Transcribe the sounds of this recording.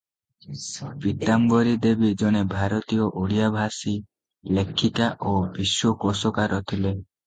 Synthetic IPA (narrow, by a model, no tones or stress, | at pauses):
pit̪ambɔɾid̪ebid͡ʒɔɽ̃ebʱaɾɔt̪ijɔʔoɽijabʱasi | lekʰːit̪aʔobiswɔkɔsɔkaɾɔt̪ʰile